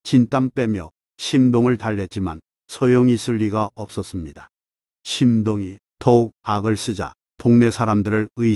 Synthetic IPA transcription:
t͡ɕint͈amp͈e̞mjʌ | ɕʰimdoŋɯɭtaɭːe̞t̚t͡ɕ͈iman | sʰʌjoŋisʰuʎːiɡaʌp̚s͈ʌs͈ɯmɲidḁ | ɕʰimdoŋi | touk̚aɡɯɭs͈ɯd͡ʑa̰ | poŋne̞sʰaɾamdɯɾɯɭɯ

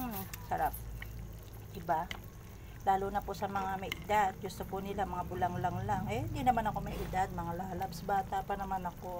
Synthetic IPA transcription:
m̩sɐɾap̚ | d̪ɪba | laːlunɐpʊʔsɐmɐŋamɐjʔɪd̪ad̪̚ɡʊst̪opʊnɪlamɐŋabʊlaŋlaŋlaŋɛhɪnd̪inɐmanɐko̞mɐjʔɪd̪ad̪̚mɐŋalaːlɐbsɐbaːt̪aʔpɐnɐmanɐko̞

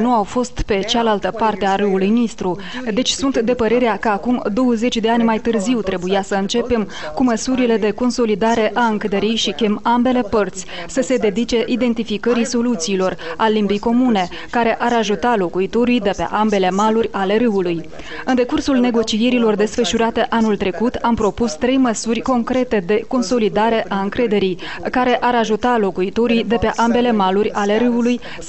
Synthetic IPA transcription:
nuawfo̞st̪pe̞t͡ʃalalt̪əpart̪eaɾɨulujnist̪ɾu | d̪e̞t͡ʃʲsunt̪d̪e̞pəɾe̞ɾeakəakumd̪o̞wəze̞t͡ʃʲd̪e̞anʲmajt̪ɨrziwt̪ɾe̞bujasəɨnt͡ʃe̞pe̞m | kuməsuɾile̞d̪e̞ko̞nso̞lid̪aɾe̞ʔaɨŋkəd̪eɾijʃikʲe̞mambe̞le̞pərt̪sʲ | səse̞d̪e̞d̪it͡ʃe̞ʔid̪e̞nt̪ifikəɾiso̞lut̪siːlo̞ralimbijko̞mune̞ | kaɾe̞ʔaɾaʒut̪alo̞kuit̪o̞ɾijd̪e̞pe̞̰ʔambe̞le̞malurʲale̞ɾɨuluj | ɨnd̪e̞kursulne̞ɡo̞t͡ʃije̞ɾilo̞rd̪e̞sfəʃuɾat̪e̞ʔanult̪ɾe̞kut̪ampɾo̞pust̪ɾe̞jməsurʲko̞ŋkɾe̞t̪e̞d̪e̞ko̞nso̞lid̪aɾe̞ʔaɨŋkɾe̞d̪e̞ɾij | kaɾe̞ʔaɾaʒut̪alo̞kuit̪o̞ɾijd̪e̞pe̞ʔambe̞le̞malurʲale̞ɾɨwuluj

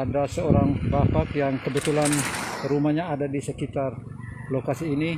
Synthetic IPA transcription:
adasəoɾaŋbapakjaŋkəbət̪ulanɾumahɲaːdadisəkit̪ar | lokasiːni

